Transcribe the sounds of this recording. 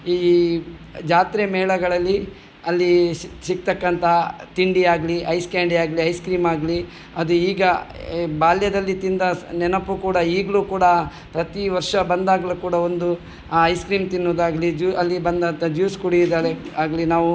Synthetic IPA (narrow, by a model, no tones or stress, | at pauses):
iː | d͡ʒaːt̪ɾemɛːɭɐɡɐɭɐlːi | ɐlːisik̚t̪ɐkːɐnt̪ɐt̪iɳɖiaːɡɐliʔɐjskaːɳɖiaːɡliɐjskɾiːmaːɡɐli | ɐd̪uiːɡɐbaːljɐd̪ɐlːit̪ind̪ɐnɛnɐpːukuːɽɐiːɡluːkuːɽɐ | pɾɐt̪iʋɐɾʂɐbɐnd̪aːɡɐluːkuːɽɐo̞nd̪u | ɐjskɾiːmt̪inːoːd̪aːɡɐlid͡ʒuɐlːibɐnd̪ɐnt̪ɐd͡ʒjuːskuɽid̪aːɾeaːɡɐlinaːʋu